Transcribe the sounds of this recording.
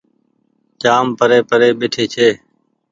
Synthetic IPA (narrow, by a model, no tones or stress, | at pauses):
t͡ʃaːmpəɾeːpəɾeːɓɪʈʰeːt͡ʃʰeː